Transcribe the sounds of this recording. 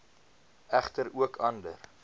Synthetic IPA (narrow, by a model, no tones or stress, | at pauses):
æχtəɾuəkʰɐndə̰r